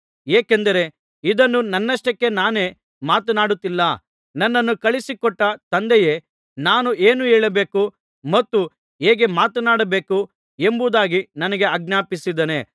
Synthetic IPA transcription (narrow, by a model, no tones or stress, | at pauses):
eːkend̪ɐɾe̞ | id̪ɐnːunɐnːɐʂʈɐkːe̞naːne̞ː | maːt̪ɐnaːɽut̪ːilːɐ | nɐnːɐnːukɐɭisikɔʈːɐt̪ɐnd̪ɛje̞ː | naːnueːnueːɭɐbe̞ːku | mɐt̪ːu | ɦeːɡe̞maːt̪ɐnaːɽɐbe̞ːku | embud̪aːɡinɐnɐɡe̞ɐɡ̚njaːpisid̪ɐne